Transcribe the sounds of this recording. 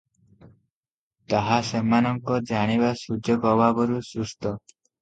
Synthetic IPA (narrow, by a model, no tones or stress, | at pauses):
t̪aɦasemanɔŋkɔd͡ʒaɽ̃ibasud͡ʒʱɔkɔbabɔɾusust̪ɔ